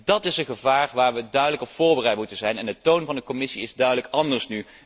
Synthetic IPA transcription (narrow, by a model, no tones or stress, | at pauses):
dɑtɪsənχəvaːɹʋaːɹʋədœɥdələkɔpfʊːɹbərɛjtmutənzɛjnɛndətownvɑndəkɔmɪsiɪzdœɥdələkɑndəɹsny